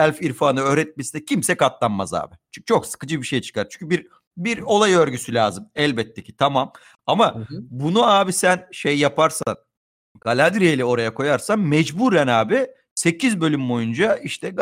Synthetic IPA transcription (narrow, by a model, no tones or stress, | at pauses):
ɛlʲfiɾfaːnɯøːɾɛt̪̚mesinɛcʰimsɛkat̪lˠanma̰za̰ːbɪt͡ʃʰo̞ksɯ̥kɯd͡ʒɯbiʃejt͡ʃʰɯ̥kaɾt͡ʃʰy̥ɲcʰybiɾ | biɾo̞lˠajøɾɟysylʲaːzɯmɛlʲbɛt̪ʰːecʰi̥t̪ʰamam | amabunuaːbisænʃejːapʰaɾsa̰n | ɡ̥alʲad̪ɾijelʲio̞ɾajakʰo̞jaɾsanmɛd͡ʒbuːɾɛnaːbi | se̞cʰizbølʲymbo̞jund͡ʒaiʃt̪ʰɛ